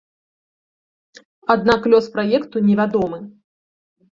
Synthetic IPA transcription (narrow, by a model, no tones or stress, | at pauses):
ad̪̚naklʲɔspɾajɛkt̪unʲɛvʲad̪ɔmɨ